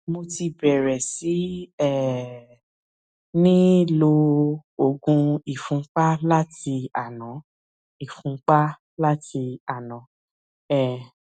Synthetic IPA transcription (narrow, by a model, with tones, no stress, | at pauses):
mo˧ti˧bɛ˨ɾɛ˨si˨˦ɛ˦˨ | nĩ˦lo˧o˧˨ɡũ˧i˨fũ˨˦k͡pa˦la˦ti˧a˨nã˨˦ | i˨fũ˨˦k͡pa˦ | la˦ti˧a˨nã˨˦ | ɛ˦˨